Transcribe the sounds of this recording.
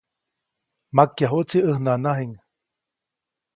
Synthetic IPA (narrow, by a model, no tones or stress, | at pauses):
makːjaɦut͡siəhnanaɦiŋ